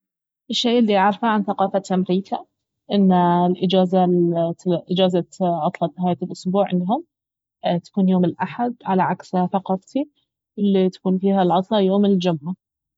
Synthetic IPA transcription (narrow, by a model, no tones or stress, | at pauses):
ʔɪʃːeːʔɪlːiːʕɑɾˤfaʕanθaqɑːfaamɾiːkʰa | ʔɪnːlʔɪd͡ʒaːza | ʔɪd͡ʒaːzaʕʊt̪ˤlɑt̪nɪɦaːjat̪ɪlʔʊsbuːʕɪnd̪ɦʊm | t̪ḁkuːnjoːmɪlʔaħad̪ʕalaʕaksθaqɑft̪i | ʔɪlːit̪ḁkuːnfiːhalʕʊt̪ˤlɑjoːmɪld͡ʒʊmʕa